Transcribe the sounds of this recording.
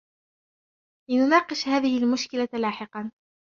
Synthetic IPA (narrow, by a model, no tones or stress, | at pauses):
lɪnʊnɑːqɨʃhaːðɪhɪlmʊʃkɪlalaːħɪqɑn